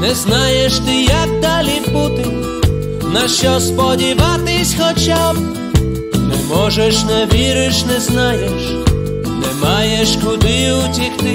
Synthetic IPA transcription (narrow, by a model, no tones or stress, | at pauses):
nɛznajɛʂt̪ɪjaɡ̚d̪alʲiput̪ɪ | naɕɔspɔdʲivat̪ɪsʲxɔt͡ɕab̚ | nɛmɔʐɛʂnɛvʲiɾɪʂnɛznajɛʂ | nɛmajɛʂkud̪ɪutʲixt̪ɪ